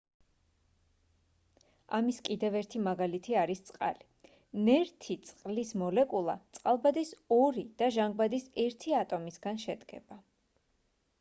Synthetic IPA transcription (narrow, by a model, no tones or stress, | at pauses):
amiskʼid̪ɛvɛɾt̪ʰimaɡalit̪ʰiaɾist̪sʼqʼa̰li | nɛɾt̪ʰit̪sʼqʼlismɔlɛkʼulˠa̰t̪sʼqʼalˠbad̪isɔɾid̪̥aʒaŋɡ̚bad̪isɛɾt̪ʰiat̪ʼɔmisɡanʃɛd̪ɡɛ̰b̥a